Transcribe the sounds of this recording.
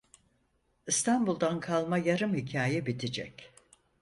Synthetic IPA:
ist̪ʰanbulˠd̪ankʰalˠmajaɾɯmhicʰaːjɛbit̪ʰid͡ʒɛ̰c

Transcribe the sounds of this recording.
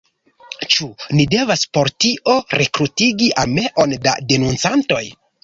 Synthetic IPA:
t͡ʃunide̞vaspo̞ɾtiʔo̞ɾe̞kɾutiɡiʔame̞ʔo̞nda̰de̞nunt͡santo̞j

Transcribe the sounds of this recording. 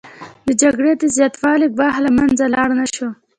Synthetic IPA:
d̪əd͡ʒaɡɽed̪əzjɑt̪wɑleɡ̚bɑɦlamanzalɑɽnaʃo

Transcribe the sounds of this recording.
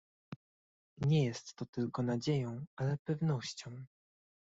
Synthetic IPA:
ɲɛjɛst̪ːɔt̪ɘlkɔn̪ad͡ʑejɔ̃w̃alɛpɛvn̪ɔɕt͡ɕɔ̃w̃

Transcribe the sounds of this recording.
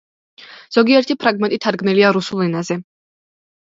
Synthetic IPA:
z̥ɔɡiɛɾt̪ʰipʰɾaɡmɛnt̪ʼit̪ʰaɾɡmnɛliaɾusulˠɛnazɛ

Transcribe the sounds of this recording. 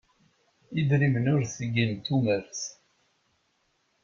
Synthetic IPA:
id̪ɾimnʊɾθəɡint̪ːuməɾθ

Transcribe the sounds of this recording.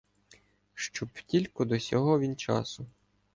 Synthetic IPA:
ʃt͡ʃɔptʲilʲkʊd̪ɔsʲɔɦɔʋʲint͡ʃɑ̰sʊ

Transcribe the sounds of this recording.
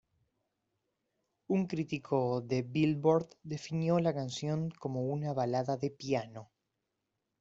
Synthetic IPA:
uŋkɾit̪ikʰo̞ðeβilβoɾd̪d̪e̞finjo̞lakansjo̞ŋko̞mo̞unaβalaðaðepjano̞

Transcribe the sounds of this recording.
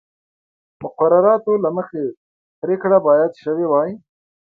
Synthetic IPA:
mʊqaɾaɾɑt̪olaməxe | pɾekɽabɑjad̪ʃəwewɑji

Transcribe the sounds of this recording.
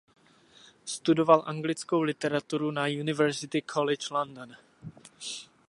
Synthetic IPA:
st̪udo̞valʔaŋɡlɪt͡sko̞wlɪt̪ɛɾat̪uɾunajunɪvɛɾzɪt̪ɪkʰolɪt͡ʃlondon

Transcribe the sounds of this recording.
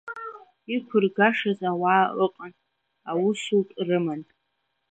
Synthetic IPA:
ikʷʰʊrɡaʂazawaːʔəqʼan | awusutʼrɨman

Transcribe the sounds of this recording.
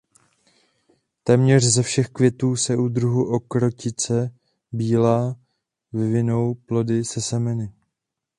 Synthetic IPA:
t̪ɛːmɲɛr̝zɛfʃɛxkvjɛt̪uːsɛʔud̪ɾuɦuʔokɾo̞cɪt͡sɛ | biːlaː | vɪvɪno̞wplo̞dɪsɛsɛmɛnɪ

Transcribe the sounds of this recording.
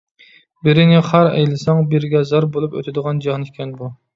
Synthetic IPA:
bɪɾɪnɪχæɾɛ̰jlˠɪsɑŋbɪɾɡʲɛzɑɾbolˠupø̰t̪ʰɪd̪əʁɑnd͡ʒɑhnɨkʲʰɛnbu

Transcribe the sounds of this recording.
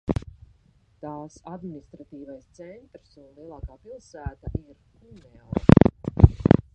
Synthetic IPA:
t̪aːsad̪minist̪ɾat̪iːvajst̪sɛnt̪ɾsunlˠiɛlˠaːkaːpilˠsæːt̪aʔiɾ | unɛlˠ

